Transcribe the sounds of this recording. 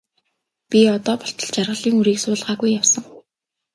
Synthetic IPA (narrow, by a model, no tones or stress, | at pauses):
pʲiɔt̪ɔːpɔɬt̪ɞ̆ɮt͡ɕarʁə̆ɮiːŋuɾiːksʊːɮʁaːɣujːawsə̆ŋ